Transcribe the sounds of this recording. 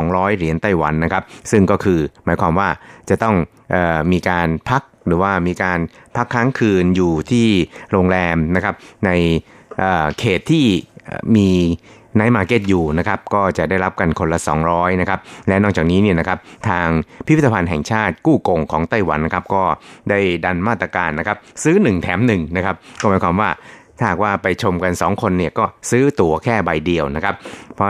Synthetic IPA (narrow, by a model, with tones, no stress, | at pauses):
sɔː˩˦ŋɾɔː˦˥jɾi˩˦ənt̪a˥˩jwa˩˦nːa˦˥kʰa˦˥p̚sɯ˥˩ŋkɔː˥˩kʰɯː˧maː˩˦jkʰwaː˧mwaː˥˩t͡ɕa˨˩t̪ɔ˥˩ŋ | ʔɤː˨˩miː˧kaː˧npʰa˦˥k̚ɾɯː˩˦waː˥˩miː˧kaː˧npʰa˦˥kʰːaː˦˥ŋkʰɯː˧njuː˨˩t̪ʰiː˥˩ɾoː˧ŋɾɛː˧mna˦˥kʰa˦˥p̚na˧j | ʔɤː˨˩kʰeː˨˩t̪ʰːḭː˥˩miː˧ | naː˦˥jmaː˧ke˦˥t̪̚juː˨˩na˦˥kʰa˦˥p̚kɔː˥˩t͡ɕa˨˩ʔdaː˥˩jɾa˦˥p̚ka˧nkʰo˧nla˧sɔː˩˦ŋɾɔː˦˥jna˦˥kʰa˦˥p̚lɛ˦˥nɔ˥˩kt͡ɕaː˨˩k̚niː˦˥ni˥˩ɐna˦˥kʰa˦˥p̚t̪ʰaː˧ŋpʰi˦˥wʰt̪ʰːa˧pʰa˧nɦɛ˨˩ŋt͡ɕʰaː˥˩t̪̚kuː˥˩ko˧ŋkʰɔː˩˦ŋt̪aː˥˩jwa˩˦nːa˦˥kʰa˦˥p̚kɔː˥˩da˥˩jda˧nmaː˥˩t̪ːɾa˧kaː˧nːa˦˥kʰa˦˥p̚sɯː˦˥nɯ˨˩ŋt̪ʰɛː˩˦mnɯ˨˩ŋna˦˥kʰa˦˥p̚kɔː˥˩maː˨˦jkʰaː˧mwaː˥˩t̪ʰaː˥˩aː˨˩k̚waː˥˩pa˧jt͡ɕʰo˧mka˧nsɔː˩˦ŋkʰo˧nːi˥˩ɐkɔː˥˩sɯː˦˥t̪u˧ɐkʰɛː˥˩ba˧jdi˧əwna˦˥kʰa˦˥p̚pʰːɔ˦˥